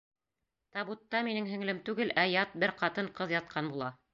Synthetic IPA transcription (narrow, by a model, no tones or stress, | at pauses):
t̪ɑβut̪ːɑminɘŋɦɘ̆ŋlɘmt̪ʉɡɘlʔæjɑt̪̚bɘɾqɑt̪ɤɴqɤðjɑt̪̚qʰɑnbulˠɑ